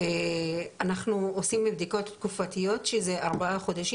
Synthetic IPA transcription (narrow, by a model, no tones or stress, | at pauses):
eanaχnuosimibd̪iko̞t̪ːkufat̪ijo̞t̪ʃezeʔaʁbaaχo̞d̪aʃi